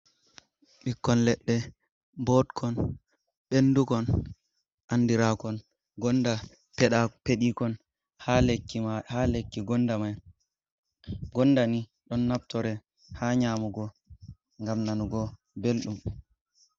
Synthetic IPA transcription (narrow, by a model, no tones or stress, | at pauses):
ɓikːɔnlɛɗːɛ | bɔtkʰɔn | ɓendukɔn | ʔandiɾakɔn | ɡɔnda | pɛapeɗikɔn | halekːiahalekːiɡɔnːdamaj | ɡɔnːdani | ɗɔnːaptɔɾɛ | haːɲaːmuɡɔ | ŋɡamnanuɡɔ | belɗum